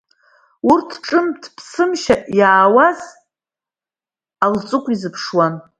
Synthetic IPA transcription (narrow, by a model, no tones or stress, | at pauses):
urtʰʈ͡ʂʼɨmtʰpʰsɨmʃajaːwaz | alt͡sʼɨkʷʼizɨpʰʂwan